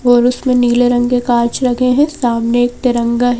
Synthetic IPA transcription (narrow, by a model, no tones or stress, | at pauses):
ɔːɾʊsmẽniːleɾɐ̃ŋɡekaːɾt͡ʃɾɐkʰẽɦɛ̃saːmneeːk̚t̪ɪɾə̃ŋɡaɦ